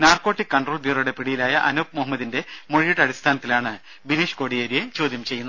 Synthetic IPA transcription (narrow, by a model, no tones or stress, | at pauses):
naːrko̞ːʈːikːɐɳɖroːlbʱiːruɽe̞piɽijilaːjɐʔɐnoːp̚moɦɐmːɐðinde̞moɻijiʈːɐɽist̪ʰaːnɐt̪ːilaːɳɨ | bineːʂko̞ːɽijeːɾijet͡ɕo̞ːd̪ʱjɐmt͡ɕe̞jːunː